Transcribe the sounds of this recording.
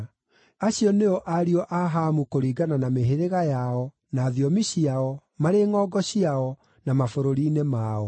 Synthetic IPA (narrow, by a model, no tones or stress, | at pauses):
aɕiɔneɔʔaɾiɔʔaɦamukoɾiːɡananameɦeɾeɣajaɔ | naːðiɔmiɕiaɔ | maɾeŋɔːɡɔɕiaɔ | namafoɾoɾiːnemaːɔ